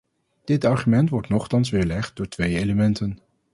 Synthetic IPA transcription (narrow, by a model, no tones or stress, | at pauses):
d̥ɪtɑɹχymɛntʋɔɹtnɔχtɑnsʋɪːɹlɛχt̚dʊːɹtʋejejləmɛntən